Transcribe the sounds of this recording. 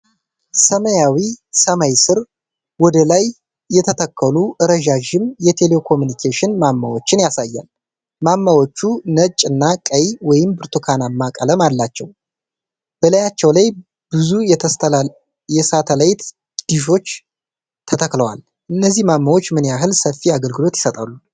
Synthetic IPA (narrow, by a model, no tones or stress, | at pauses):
səməjawisəmajsɨɾ | wɔd̪əlajː | ɛt̪ʰət̪ʰəkːəluʔɨɾəʒaʒɪmjɛt̪ʰe̞lekʰo̞mjunikʰeʃɪnmamːawo̞t͡ʃːɪnjasajːa̰l | mamːawo̞t͡ʃːunət͡ʃʼɨnːakʼəjwɔjɪmbɨɾt̪ʰukʰanamːakʼələmalːat͡ʃːɛw | b̥ələjat͡ʃːɛwlaj | b̥ɨzujɛ | jɛsat̪ʰəlajt̪ | d̪̥iʃo̞t͡ʃː | t̪ʰət̪ʰəkləwa̰l | ʔɨnːəzːihmamːawot͡ʃːmɨnjaɦɨlsəfːiaɡəlɡɨlo̞t̪jɪ̥sət̪ʼalːu